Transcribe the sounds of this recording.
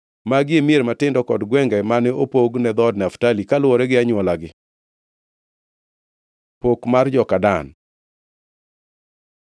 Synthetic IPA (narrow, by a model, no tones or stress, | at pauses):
maɡɪemieɾmatɪndɔkɔdɡwɛŋɡɛmanɛopoɡnɛd̪ɔdnaftalikalwɔɾɛɡɪaɲwɔlaɡɪ | pokmard͡ʒɔkadan